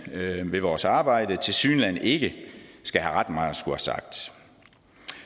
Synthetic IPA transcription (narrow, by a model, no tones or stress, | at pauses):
ʋe̝ʋɒːsɑ̈ːb̥ɑ̈ɪ̰d̥ət͡sʰe̝lsy̰ːnlæn̰e̝ɡ̥əsɡ̥æɦæʁɑd̥mɑ̈ːð̩ˠsɡ̥uhæsɑ̰̈ɡ̥̚d̥